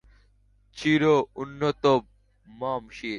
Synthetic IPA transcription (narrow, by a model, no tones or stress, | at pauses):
t͡ɕʰiɾounːot̪ob̚ | maːmɕiː